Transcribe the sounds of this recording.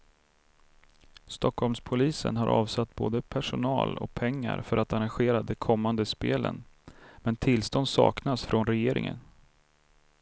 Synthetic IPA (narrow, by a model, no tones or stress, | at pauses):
st̪ɔkhɔlmspʰʊliːsənɦaɾʔɑːvsat̪ːboːd̪əpʰæʂʊnɑːlɔ̰k̚pʰɛŋːa̰ɾfœɾat̪aɾanɧeːɾad̪ɛkʰɔmːand̪əspeːlə̰nmɛnt̪ʰɪlːst̪ɔnd̪sɑ̰ːknasfɾɔnɾɛjeːɾɪ̰ŋə̰n